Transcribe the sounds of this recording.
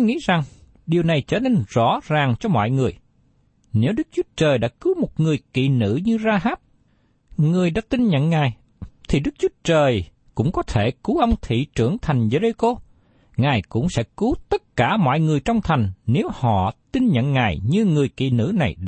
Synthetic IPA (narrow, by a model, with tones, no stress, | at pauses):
ŋḭ˧˥za˨˩ŋ | ɗi˨˩əwna˨˩jt͡ɕəː˧˩ne˧nz̥ɔ̰˧˥zaː˨˩ŋt͡ɕɔ˧mɔ̰˧˨jŋɨ˨˩əj | ne˨˦wɗɨ˦˥k̚t͡ɕu˨˦ət͡ɕəː˨˩jɗa̰ː˧˥kɨ˨˦wmo˨˩t̚ŋɨ˨˩əjkḭ˧˨nɨ̰˧˥ɲɨ˧zaː˧ɦaː˦˥p̚ | ŋɨ˨˩əjɗa̰ː˧˥t̪i˧nɲə̰˧˨nŋaː˨˩j | t̪ʰi˨˩ɗɨ˦˥k̚t͡ɕu˨˦ət͡ɕəː˨˩j | kʊ̰˧˥ŋ͡mkɔ˨˦t̪ʰe˧˩ku˨˦ʔə˧wŋ͡mt̪ʰḭ˧˨t͡ɕɨ˧˩əŋt̪ʰa˨˩jŋ̟ze˧ze˧ko˧ | ŋaː˨˩jkʊ̰˧˥ŋ͡msɛ̰˧˥ku˨˦t̪ə˦˥t̚kaː˧˩mɔ̰˧˨jŋɨ˨˩əjt͡ɕɔ˧wŋ͡mt̪ʰa˨˩jŋ̟ne˨˦whɔ̰˧˨t̪i˧nɲə̰˧˨nŋaː˨˩jɲɨ˧ŋɨ˨˩əjkḭ˧˨nɨ̰˧˥na˨˩j